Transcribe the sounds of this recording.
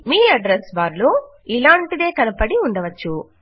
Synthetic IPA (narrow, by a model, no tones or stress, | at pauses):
miːɐɖɾesʋaːɾloː | ilaːɳʈid̪e̞ːkɐnɐpɐɽiund̪ɐʋɐt͡ʃːu